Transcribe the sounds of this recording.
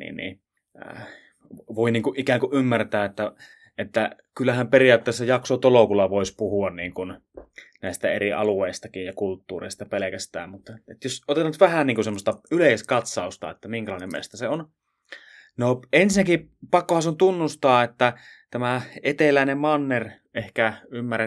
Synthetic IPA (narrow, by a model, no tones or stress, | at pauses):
nḭːnnḭ | ʋoˑiniːŋkuʔikæːŋkuʔymːært̪æːet̪ːæ | et̪ːæ | kylːæhæmperiɑːˑt̪ːeˑːsːæjɑksot̪olokulːɑʋoˑispuhuɑnniːŋkun | næˑist̪æeriɑ̰lueˑist̪ɑkijjɑkult̪ːuːrḛˑist̪ɑpelekæst̪æ̰ːmmut̪ːet̪josot̪et̪ɑnt̪ʋæhænniːŋkusemːost̪ɑyleˑiskɑt̪sɑˑust̪ɑ̰ḛt̪ːæmiŋkælɑˑinemmḛst̪æseon | noensinæki | pɑkːohɑnseont̪unːust̪ɑːet̪ːæt̪æmæet̪elæˑinemmɑnːer | ehkæymːære